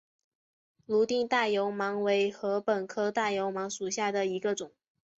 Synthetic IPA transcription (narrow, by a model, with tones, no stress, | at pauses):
lu˧˥t̪i˥˧ŋt̪a˥˩jo˧˥ʊmɑ˧˥ŋwe˧˥ɪxɤ˧˥pə˨˩nkʰɤ˥t̪a˥˩jo˧˥ʊmɑ˧˥ŋʂu˨˩ɕja˥˩d̪ə˩i˧˥ɡə˧ʈ͡ʂʊ˨˩˦